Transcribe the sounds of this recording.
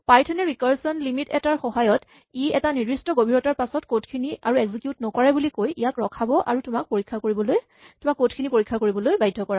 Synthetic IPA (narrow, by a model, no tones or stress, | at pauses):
pajtʰɔnɛɹikaɹsɔnlimitɛtaɹxɔɦajɔt | iɛtanidɹistɔɡobʱiɹɔtaɹpasɔtkotkʰiniaɹuɛɡzikjutnɔkɔɹɛbulikojʔijakɹɔkʰabɔʔaɹutʊmak̚poɹikʰːakoɹibɔloj | tʊmakːotkʰinipoɹikʰːakoɹibɔlojbajdʱɔkɔɹa